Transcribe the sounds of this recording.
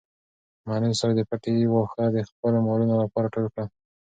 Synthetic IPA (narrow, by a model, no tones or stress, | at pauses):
mɑnəjsaɾad̪əpaʈewaxad̪əxpəlomalunolapɑɾaʈolkɽa